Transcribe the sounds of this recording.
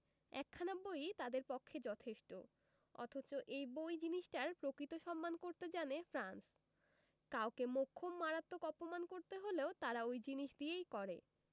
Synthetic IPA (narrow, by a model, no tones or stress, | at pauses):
ɛ̰kʰːanabojt̪ad̪eɾpokʰːed͡ʑɔt̪ʰeʃʈo | ɔ̰t̪ʰot͡ɕoʔejbojd͡ʑiniʃʈaɾpɾokɾit̪oʃɔmːankoɾt̪ed͡ʑanefʰɾans | kawkemokʰːomːaɾat̪ːokɔpomankoɾt̪eɦoleot̪aɾaojd͡ʑiniʃd̪iejkɔɾe